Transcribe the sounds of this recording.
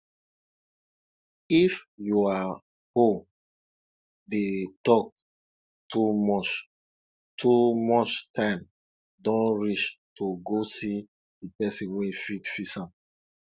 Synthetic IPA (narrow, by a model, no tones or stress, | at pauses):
ifjua | ho | detɔk̚ | tʰumɔt͡ʃ | tʰumɔt͡ʃtʰãɪ̃m | dɔ̃nɹiʃtoɡosi | dipɛsĩnwefitfisãm